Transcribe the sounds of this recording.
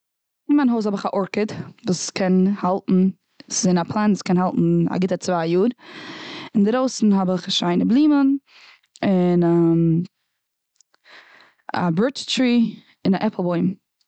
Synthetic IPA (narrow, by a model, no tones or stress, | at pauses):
ɪnmanhoʊsɔbɪχaʔɔɹkədvuːskʰɛnhalˠtn̩ | szɪnapʰlˠanuːskʰɛnhalˠtn̩a̰ɡɪtət͡svaːjuːɾ | ɪndɪɾoʊsn̩ɦɔbɪχʃaɪnəblˠiːmən | ɪnam | a̰bɛɹttɾiː | ɪnaʔɛpʰlˠbɔɪm